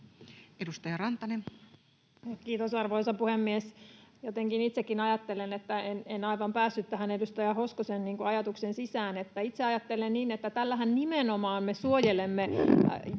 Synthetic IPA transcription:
edust̪ɑjɑrɑnt̪ɑnen | kiːt̪osɑrʋoisɑpuhemːiesjot̪eŋkinit̪sekːinɑjɑt̪ːelenet̪ːæenenɑiʋɑmpæːsːyt̪t̪æɦænedust̪ɑjɑhoskosenniːŋkuɑjɑt̪uksensisæːnet̪ːæit̪seɑjɑt̪ːelenniːnet̪ːæt̪ælːæɦænnimenomɑːnmesuojelemːe

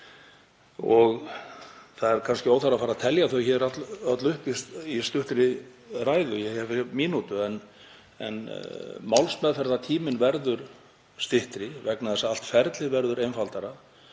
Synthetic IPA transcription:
ɔɣ | θaðɛɾkʰanskcɪoːwθaɾafaːɾaðt̪ʰɛljaθœwçɛɾat̪œt̪lʏhpisist̪ʏht̪ɾɪ | raːjðʏjɛɛvmiːnut̪ʏɛn | ɛ̰nmawlsmɛðfɛɾðat̪ʰiːmɪnvɛɾðʏɾ̥ | st̪ɪht̪ɾɪvɛknaðɛsaal̥t̪fɛɾt̪lɪðvɛɾðʏɾejnfalt̪aɾa

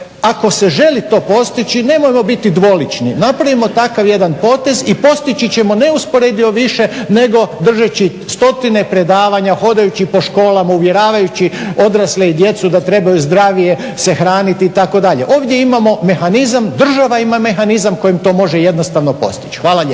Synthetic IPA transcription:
ako̞se̞ʒe̞lit̪o̞ːpo̞st̪it͡ɕine̞mojemo̞bit̪id̪ʋo̞lit͡ʃninapɾaʋimo̞t̪akaʋje̞d̪anpo̞ːt̪e̞zipo̞st̪it͡ɕit͡ɕe̞mo̞ne̞uspo̞ɾed̪io̞ʋiʃe̞ne̞ɡo̞d̪r̩ʒat͡ɕi | st̪o̞t̪ine̞pɾe̞d̪aːʋaɲaxo̞d̪ajut͡ɕipo̞ʃko̞ːlˠamauʋje̞ɾaːʋajut͡ɕio̞d̪ɾasleid̪je̞t̪sud̪at̪ɾe̞bajuzd̪ɾaːʋije̞ | se̞xɾaːnit̪iːt̪ako̞d̪aʎe̞̰ʔo̞ːʋd̪ʲje̞imamo̞me̞xanizamd̪r̩ʒaʋaimame̞xanizamko̞jimt̪o̞ːmo̞ʒeje̞d̪nost̪aʋno̞po̞̰st̪i̥t͡ɕxʋaːlaʎe

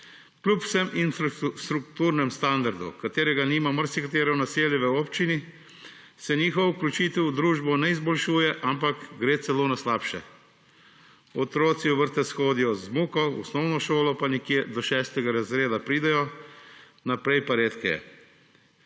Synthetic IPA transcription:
klʲupw̥sɛminst̪ɾukt̪uɾnɛmst̪and̪aɾd̪ṵkat̪eːɾɛɡaniːmaməɾsikat̪eːɾɛnaseːljɛʋəoːpt͡ʃini | sɛniːxɔʋuklʲut͡ʃit̪ɛwd̪ɾuːʒbɔnɛizbɔlʃuːjɛʔampakɡɾeːt̪sɛloːnaslaːpʃɛ̰ | ɔt̪ɾoːt̪siɔʋəɾt̪ɛsxoːd̪ijɔzmuːkɔɔsnɔwnɔʃoːlɔpanikjed̪ɔʃɛːst̪ɛɡaɾazɾeːd̪apɾiːd̪ɛjɔ | napɾɛjpaɾeːt̪kɛ̰jɛ̰

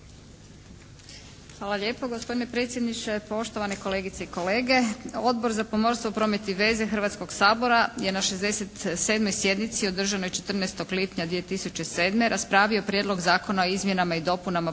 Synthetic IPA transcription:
xʋaːlˠaʎe̞ːpo̞ɡospo̞d̪ine̞pɾet̪sjed̪nit͡ʃe̞po̞ʃt̪oʋaneko̞le̞ɡit̪seiko̞le̞ːɡe̞o̞d̪bo̞ɾzapo̞mo̞ɾst̪ʋopɾomjet̪iʋe̞ːzexɾr̩ʋat̪sko̞ɡsaːbo̞ɾaje̞naʃezd̪e̞set̪se̞ːd̪mo̞jsje̞d̪nit̪siod̪r̩ʒano̞jt͡ʃet̪r̩nest̪o̞ɡlipɲad̪ʋie̞t̪isut͡ʃe̞se̞ːd̪me̞ɾʔaspɾaːʋio̞pɾje̞d̪lˠo̞ɡzaːko̞nao̞izmjenamaid̪o̞punama

